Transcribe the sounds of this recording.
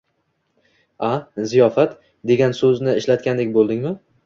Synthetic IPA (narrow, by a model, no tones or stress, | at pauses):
azijɒfat̪ | d̪e̞ɡʲansɵznɪɪʃlat̪̚kʲand̪ekʲbolˠd̪ɪŋmɪ